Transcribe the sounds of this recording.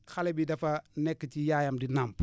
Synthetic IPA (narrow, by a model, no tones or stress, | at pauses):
xalɛbidɐfɐnɛkːijaːjamdinamp